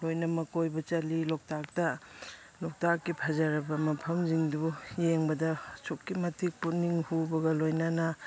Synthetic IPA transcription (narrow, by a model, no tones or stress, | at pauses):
lojnɐmɐkojbɐt͡ʃɐlilɔk̚tak̚tɐ | lɔk̚takːipʰɐzɐɾɐbɐmɐpʰɐmziŋdujeŋbɐdɐsukːimɐtik̚punːiŋhubɐɡɐlojnanɐ